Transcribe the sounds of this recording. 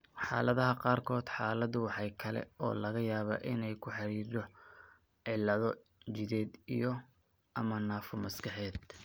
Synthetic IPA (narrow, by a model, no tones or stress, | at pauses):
ħɑ̰ːlɐðɐɦɐqɑːrkʰɔːd̪ħɑːlɐðʊwɑħɑjkʰɐlɛ̰ɔ̰ːlɐɣɐjaːβa̰ːʔɪnɛjkʰʊħɑɾiːrd̪ɔ | ʕɪlːɐðɔ | t͡ʃɪðɛːd̪ḭjɔ | ʔɐmɐnaːfʊmɐskʰɑħɛːd̪